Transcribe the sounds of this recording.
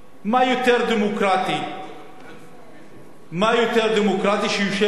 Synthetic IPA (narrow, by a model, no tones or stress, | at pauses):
majut̪eɾd̪imukɾat̪i | majut̪eɾd̪imukɾat̪iʃijuʃe